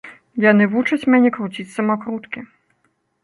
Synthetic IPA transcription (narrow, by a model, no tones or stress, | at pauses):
janɨvut͡ʂɐt͡sʲmʲɛnʲɛkɾut͡sʲit͡sʲsɐmakɾut̪kʲi